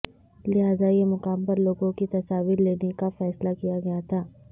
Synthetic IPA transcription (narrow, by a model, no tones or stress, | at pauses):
lɪɦaːzajemʊqaːmpɐɾloːɡõkit̪ɐsaːʋiɾleːnekafɛːslakijaɡɐjat̪ʰaː